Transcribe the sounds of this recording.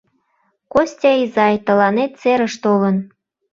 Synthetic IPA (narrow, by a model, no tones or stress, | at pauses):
kosʲtʲɑizɑjt̪ə̆lɑnet̪̚t͡seɾəʃt̪olən